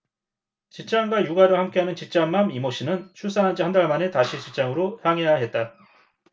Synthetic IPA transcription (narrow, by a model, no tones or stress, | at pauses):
t͡ɕip̚t͡ɕ͈aŋɡwajuɡaɾɯɭhamk͈e̞ɦanɯnt͡ɕip̚t͡ɕ͈aŋːamimoɕ͈ʰinɯnt͡ɕʰus͈anɦand͡ʑihandaɭmane̞taɕʰit͡ɕip̚t͡ɕ͈aŋɯɾohjaŋɦejaɦe̞t̚t͈a